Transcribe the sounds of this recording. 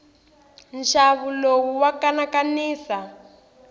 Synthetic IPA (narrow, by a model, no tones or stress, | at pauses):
nʃaβulowuwakanakaniːsa